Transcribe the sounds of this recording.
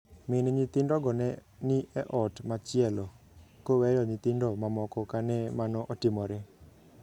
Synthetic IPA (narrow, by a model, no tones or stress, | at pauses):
mɪnɲɪt̪ɪndɔɡɔnɛnɪʔɛʔɔtmat͡ʃɪɛlɔ | kowɛjɔɲɪt̪ɪndɔmamɔkɔkanɛmanɔʔotɪmɔɾe